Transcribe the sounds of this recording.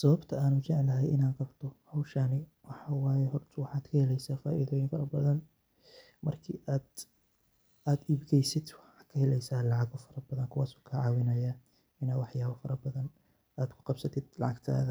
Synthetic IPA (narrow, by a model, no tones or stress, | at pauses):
sɐβɐbt̪ʰɐaːnʊt͡ʃɛʕlɐɦɛjɪnaːnqɑbt̪ʰɔhɐwʃanɪ | wɑħɑːwaːjɛɦɔrt̪ʰɐwɑħɑːd̪kʰɐhɛlɛjsaːfaːʔiðɔːjɪnfɐɾɐbɐðɐn | mɐrkʰḭːʔaːd̪ | aːd̪iːbɡɛjsɪd̪wɑħɑːkʰɐhɛlɛjsaːlɑʕɑɣɔfɐɾɐbɐðɐŋkʰʊwaːsɔ̥ːkʰɐʕɑːwɪnɐjaː | ɪnaːwɑħjaːβɐfɐɾɐbɐðɐn | aːd̪kʰʊ̥qɑb̥sɐt̪ʰɪd̪̥lɑ̰ʕɑɡt̪ʰa̰ːðɐ